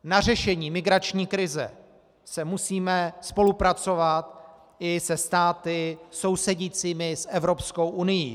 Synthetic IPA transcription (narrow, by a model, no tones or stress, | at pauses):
nar̝ɛʃɛɲiːmɪɡɾat͡ʃɲiːkɾɪzɛ̰ | sɛmusiːmɛspo̞lupɾat͡so̞vat̪ | ʔɪsɛst̪aːt̪ɪso̞wsɛɟiːt͡siːmɪsʔɛvɾo̞psko̞wʔunɪjḭː